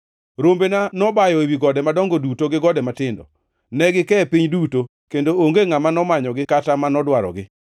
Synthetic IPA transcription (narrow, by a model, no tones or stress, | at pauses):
ɾombenanɔbajɔewiɡɔdɛmadɔŋɡodutoɡɪɡɔdɛmatɪndɔ̰ | nɛɡɪkɛpiɲduto | kendooŋɡeŋamanɔmaɲɔɡɪkatamanɔdwaɾɔ̰ɡɪ